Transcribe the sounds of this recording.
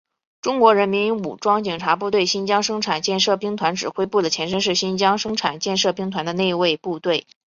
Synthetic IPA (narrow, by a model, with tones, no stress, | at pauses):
ʈ͡ʂʊ˥ŋkwɔ˧˥ɻə˧˥nmi˧˥nṵ˨˩ʈ͡ʂwɑ˥ŋt͡ɕi˨˩ŋʈ͡ʂʰa˧˥pu˥˧t̪we˥˩ɪɕi˥nt͡ɕjɑ˥ŋʂɤ˥ŋʈ͡ʂʰa˨˩nt͡ɕjɛ˥˧nʂɤ˥˩pi˥ŋt̪ʰwa˧˥nʈ͡ʂɻ̩˨˩xwe˥ɪpu˥˩d̪ə˩t͡ɕʰjɛ˧˥nʂ̬ə˥nʂ̬ɻ̩˥˩ɕi˥nt͡ɕjɑ˥ŋʂɤ˥ŋʈ͡ʂʰa˨˩nt͡ɕjɛ˥˧nʂɤ˥˩pi˥ŋt̪ʰwa˧˥nd̪ə˧ne˥˧ɪwe˥˧ɪpu˥˧t̪we˥˩ɪ